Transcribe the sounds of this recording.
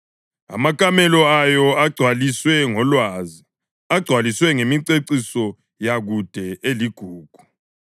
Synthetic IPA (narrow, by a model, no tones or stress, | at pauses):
a̰makʼamɛlɔajɔaɡ͡ǀʱwaliswɛŋɔlwazi | aɡ͡ǀʱwaliswɛŋemiǀeǀisɔ | jaɣud̥ʱɛʔeliɡ̥ʱuːɡ̥ʱu̥